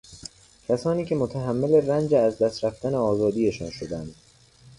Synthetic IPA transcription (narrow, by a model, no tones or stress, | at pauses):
cʲʰæsɒːniːcʰe̞mot̪ʰæɦæmːele̞rænd͡ʒeæzd̪æst̪ɾæft̪æneɒːzɒːd̪iːje̞ʃɒ̰ːnʃod̪ænd̪̥